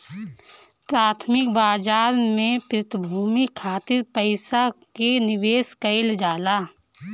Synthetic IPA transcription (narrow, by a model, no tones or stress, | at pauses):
pɾaːt̪ʰmɪk̚baːd͡ʒaːɾmẽpɾɪt̪bʱuːmikʰaːt̪ɪɾpəɪsakenɪʋeːskəɪld͡ʒaːlaː